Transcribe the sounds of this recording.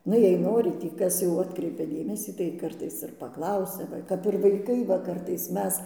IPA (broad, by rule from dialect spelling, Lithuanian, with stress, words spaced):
ˈnʊ jɛɪ ˈnoːrʲɪ tʲiː ˈkɐs jɛʊ ˈɑːtkrʲɛɪpʲɛ ˈdʲeːmʲɛsʲiː tɐɪ ˈkɐrtɐɪs ɪr pɐˈklˠɐʊsʲɛ ˈʋɐ kɐp ɪr ʋɐɪˈkɐɪ ʋɐ ˈkɐrtɐɪs ˈmʲɛs